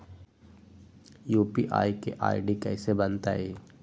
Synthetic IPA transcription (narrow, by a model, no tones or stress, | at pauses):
juːpiʔa̰ːikeʔa̰ːɪɖikɛːsebənt̪aeː